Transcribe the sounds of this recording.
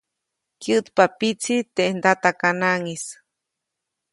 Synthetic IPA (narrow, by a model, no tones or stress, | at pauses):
kjɨt̪papit͡sʰit̪eʔnd̪at̪akanaŋis